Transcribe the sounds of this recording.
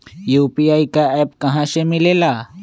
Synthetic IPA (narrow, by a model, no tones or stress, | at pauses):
jupiajkaɛp̚kɐɦãsemɪlela